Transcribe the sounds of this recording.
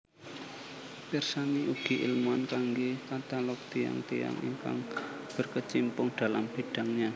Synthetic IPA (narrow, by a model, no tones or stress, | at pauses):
pirsaniʔuɡ̥i̤ʔḭlmuankaŋɡekat̪alɔk̚t̪ija̰ŋt̪ea̰ŋʔḭŋka̰ŋb̥ə̤rkət͡ʃimpʊŋɖ̥a̤lamb̥e̤ɖ̥a̤ŋɲa